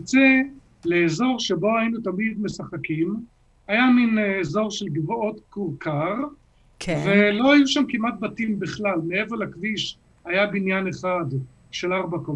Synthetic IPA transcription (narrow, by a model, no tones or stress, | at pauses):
t͡se | leːzo̞ʁʃebo̞ajinut̪amid̪me̞saχakim | ajaminːzo̞ʁʃelɡvoot̪kuʁkaʁ | kvelo̞ajuʃamkimat̪̚bat̪imbiχlalmeevelakviʃ | hajabinjaneχad̪ | ʃelaʁbako